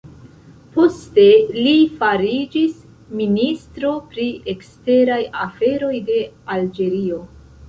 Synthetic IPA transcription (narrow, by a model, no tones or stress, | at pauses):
po̞ste̞lifaɾid͡ʒis | ministɾo̞pɾiekste̞ɾajafe̞ɾo̞jde̞ald͡ʒe̞ɾio̞